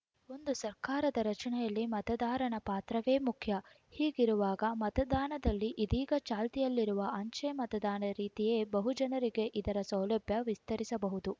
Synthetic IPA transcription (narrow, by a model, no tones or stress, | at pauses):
o̞nd̪usɐɾkaːɾɐd̪ɐɾɐt͡ʃɐɳɛjɐlːimɐt̪ɐd̪aːɾɐɳɐpaːt̪ɾɐʋe̞ːmukʰjɐ | hiːɡiɾuʋaːɡɐmɐt̪ɐd̪aːnɐd̪ɐlːiʔid̪iːɡɐt͡ʃaːlt̪ijɐlːiɾuʋɐʔɐɲt͡ʃemɐt̪ɐd̪aːnɐɾiːt̪ije̞ːbɐɦud͡ʒɐnɐɾiɡe̞ʔid̪ɐɾɐsɐwlɐbʱjɐʋist̪ɐɾisɐbɐɦud̪u